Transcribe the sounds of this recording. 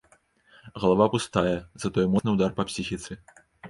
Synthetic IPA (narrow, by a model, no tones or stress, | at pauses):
ɣɐlˠavapust̪ajɛzɐt̪ɔjmɔnɨwd̪arpɐpsʲixʲit̪sɨ